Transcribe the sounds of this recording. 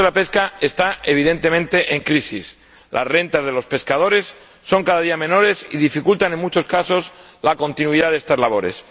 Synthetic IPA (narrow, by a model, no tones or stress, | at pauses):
elape̞skaest̪aeβ̞iðe̞nt̪e̞mẽnt̪e̞ʔeŋkɾisis | lʔa̰zre̞nt̪azðe̞lo̞spe̞skað̞o̞ɾe̞sː | o̞ŋkaðaðiamẽ̞no̞ɾe̞sḭðifikult̪ane̞ŋmut͡ʃo̞skaso̞s | lako̞nt̪inwiðaðest̪azlaβo̞ɾe̞̰s